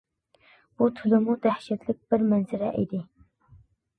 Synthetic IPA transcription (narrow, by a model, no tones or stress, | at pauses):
b̥ut̪ʰʊlɪmud̪æhʃɛt̪lɪk̚ʲbɪɾmɛnzɪɾɛ̰ʔḭd̪ɪ